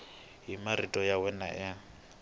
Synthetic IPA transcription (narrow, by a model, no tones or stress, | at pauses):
ɦimaɾitʼɔjawɛna̰ʔɛ